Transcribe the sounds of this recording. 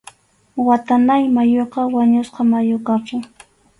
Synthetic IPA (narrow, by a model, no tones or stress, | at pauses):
wat̪anajmajoqɑwaɲʊsqɑmajokakʊŋ